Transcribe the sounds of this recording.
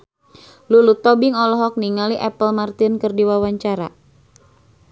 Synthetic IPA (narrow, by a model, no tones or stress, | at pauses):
lulut̪ɔbɪŋɔlɔɦɔk̚niŋaliʔɛpəlmart̪inkərdiwawaɲt͡ʃaɾa